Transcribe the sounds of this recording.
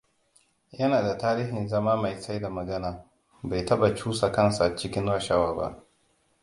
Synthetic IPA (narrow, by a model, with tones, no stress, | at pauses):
jɐ˦naː˨da˨taː˦ɾiː˦ɦɪ˨nzɐ˦maː˦ma˨jsa˦jda˨mɐ˨ɡɐ˦naː˨ | ba˨jtɐ˦ɓa˨t͡ʃuː˦sa˨kɐ˦nsa˨t͡ʃɪ˦kʲɪ˦nɾa˦ʃa˦waː˨ba̰˦˨ʔ